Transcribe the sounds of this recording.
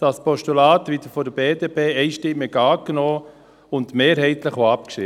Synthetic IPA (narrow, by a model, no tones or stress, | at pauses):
d̥ɑspɔʃtulaːtʋid̥əfɔdəbeːdepʰeːɛɪʃtɪmːəɡɑːknoː | ʊndmeːɾɦɛɪt̪ləχʋoɑp̚kʃɪ